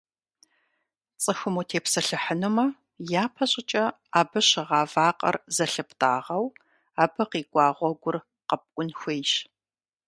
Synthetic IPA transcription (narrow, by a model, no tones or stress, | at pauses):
t͡sʼɨxʊmuːtʰeːpsɐɬɨħənɨmɐ | jaːpʰɐɕʼɪt͡ʃʼɐ | aːbɨɕɪʁɑːvaːqʼɐ̰rzɐɬɨpʰtʰʼa̰ːʁɐw | aːbɨqiːɡʷʼɑːʁʷɔɡʷʊr | qɐp̚ʼʔʷʼʊnxʷeːjʃ